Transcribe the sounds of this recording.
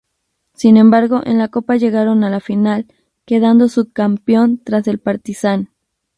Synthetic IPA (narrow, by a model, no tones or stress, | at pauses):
sinẽ̞mbaɾɣo̞ʔe̞̰nlako̞paʝe̞ɣaɾo̞nalafinal | ke̞ðand̪o̞sukampjo̞nt̪ɾase̞lpaɾt̪isan